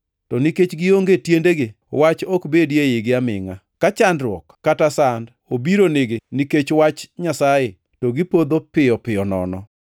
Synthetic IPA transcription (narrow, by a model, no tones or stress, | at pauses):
tɔniket͡ʃɡɪoŋɡetjendeɡe | wat͡ʃɔkbedjejɪɡɪamɪ̰ŋa̰ | kat͡ʃandɾwɔkːatasand | obiɾoneɡeniket͡ʃwat͡ʃɲasaje | tɔɡɪpod̪opɪjɔpɪɔnɔ̰nɔ̰